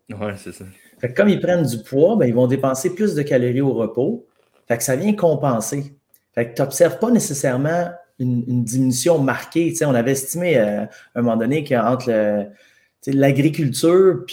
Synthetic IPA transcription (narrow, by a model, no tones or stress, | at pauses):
wɛses | fɛkːʌmipʁɛnd͡zypʰwɔbɛ̃ilvɔ̃d̪epɑ̃ːseplʏsd̪əkalʁioʁəpo | fɛksavjɛ̃kɔ̃pɑ̃se | fɛk̚t̪ɔpsɛʁv̥pʌnesesɛʁmɑ̃ynːnd̪iminysjɔ̃maʁkʲet͡seɔ̃navɛɛst̪imeəœ̃mɔmɑ̃ːd̪ɔnekəɑ̃t̪χlə | t͡selaɡʁikʲylt̪yːʁpi